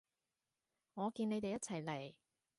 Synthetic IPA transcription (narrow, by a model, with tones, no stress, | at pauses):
ŋɔː˨˧kiː˧ne˨˧jt̪e˨jɐ˥t̚t͡sʰɐ˨˩jle˨˩j